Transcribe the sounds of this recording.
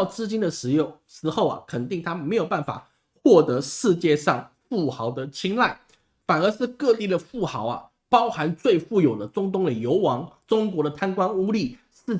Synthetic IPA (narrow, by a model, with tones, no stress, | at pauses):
ʊt͡sɹ̩˥˧t͡ɕi˥nd̪ə˨ʂɻ̩˧˥jo˥˩ | ʂɻ̩˧˥xo˥˩ʊɐ̰˩kʰə˨˩nt̪i˥˩ŋt̪ʰa˥me˧˥ɪjo˨˩ʊpa˥˩nfa̰˨˩ | xwɔ˥˩t̪ɤ˧˥ʂɻ̩˥˧t͡ɕjɛ˥˧ʂɑ˥˧ŋ | fu˥˩xɑ˧˥ʊd̪ə˧t͡ɕʰi˥ŋla˥˩ɪ | fa˨˩nə˞˧˥ʂɻ̩˥˧kɤ˥˧t̪i˥˩d̪ə˩fu˥˩xɑ˧˥ʊɐ̰˨ | pɑ˥ʊxa˧˥nt͡swe˥˧ɪfu˥˩jo˨˩ʊd̪ə˦ʈ͡ʂʊ˥ŋt̪ʊ˥ŋd̪ə˨jo˧˥ʊwɑ˧˥ŋʈ͡ʂʊ˥ŋkwɔ˧˥ɾə˨t̪ʰa˥nkwa˥nu˥li˥˩ | ʂɻ̩˥˩